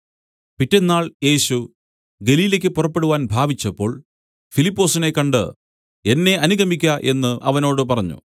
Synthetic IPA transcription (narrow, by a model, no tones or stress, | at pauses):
pitːe̞nːaːɭje̞ːɕu | ɡe̞liːlek̬ʲːɨpurɐpːe̞ɽuʋaːnbʱaːbit͡ɕːɐpːo̞ːɭ | filipːo̞ːsine̞kɐɳɖɨ̰ | e̞nːe̞ʔɐnuɣʱɐmikʲːɐʔe̞nːɨʔɐʋɐno̞ːɽɨpɐrɐɲːṵ